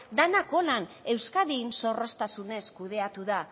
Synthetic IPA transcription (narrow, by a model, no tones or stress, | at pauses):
d̪anako̞lane̞wskaðinso̞ro̞st̪asune̞skuð̞e̞at̪uða